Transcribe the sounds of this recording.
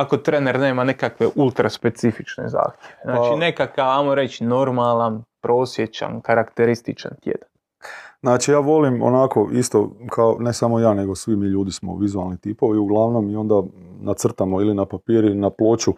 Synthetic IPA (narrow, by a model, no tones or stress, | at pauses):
ako̞t̪ɾene̞ɾne̞ːmanekakʋe̞ʔulˠt̪ɾaspe̞t̪sifit͡ʃnḛza̰ːxt̪ʲjʋeznaːat͡ʃine̞kakaʋajmoɾet͡ʃno̞ɾmalanpɾo̞ːsje̞t͡ɕa̰nkaɾakt̪e̞ɾist̪it͡ʃa̰nt̪jḛd̪an | znaːt͡ʃijaːʋo̞limo̰nakoʔist̪okʰaone̞samo̞jaːne̞ɡosʋimiːʎuːd̪ismo̰ʋizualˠnit̪iːpoʋiuɡlˠaʋnomio̞nd̪anat̪sr̩t̪amoilinapapiːɾinaplˠo̞ːt͡ʃu